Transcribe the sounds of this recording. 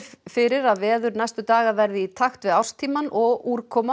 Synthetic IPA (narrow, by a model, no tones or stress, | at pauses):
fɪɾɪɾaðvɛːðʏɾnajst̪ʏt̪aːɣavɛɾðɪit̪ʰaxt̪vɪðawrst̪ʰiːmanɔɣuːɾ̥kʰɔːma